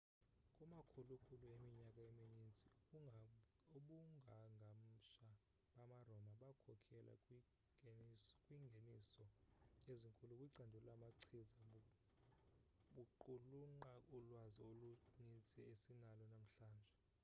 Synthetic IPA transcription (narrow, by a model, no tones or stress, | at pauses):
kʼumakʰulukʰʼuluemiɲakʼaeminint͡sʼi | oɓuŋɡʱaŋɡʱam̩ʃa | ɓamarɔmaɓakʰɔkʰɛlʔa̰ | kʼwiŋɡʱenisɔjeziŋkʼulukʼwiǀandʱulamaǀʰiza | ɓuǃuluŋ͡ǃaʔulwaziolunint͡sʼɛesinalɔnam̩ɬaːnd͡ʒʱɛ